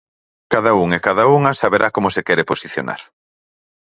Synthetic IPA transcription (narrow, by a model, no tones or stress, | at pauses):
kaðauŋekaðauŋɐsaβeɾakomosekɛɾeposiθjo̰na̰ɾ